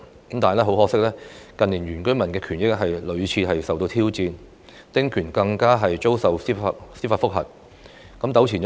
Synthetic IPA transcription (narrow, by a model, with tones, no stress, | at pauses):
kɐ˨˦mt̪aː˨˩lɛː˥ɦo˨˥whɔː˧k̚sɪ˥k̚lɛː˥kɐ˨nliː˨˩njyː˨˩nkɵ˥ɥmɐ˨˩nkɛː˧kʰyː˨˩njɪ˥k̚ɦɐ˨jlɵ˨˧ɥt͡sʰiː˨˧ɦɐ˨jsɐ˨wt̪o˧wt̪ʰiː˥wt͡siː˧n | t̪ɪ˥ŋkʰyː˨˩nkɐ˧ŋkaː˥ɦɐ˨jt͡ʃo˥wsɐ˨wsiː˥a˧t̚siː˥faː˧tfʊ˥k̚ɦɐ̰˨t̚ | kɐ˨˥mt̪ɐ˨˥wt͡sʰiː˨˩n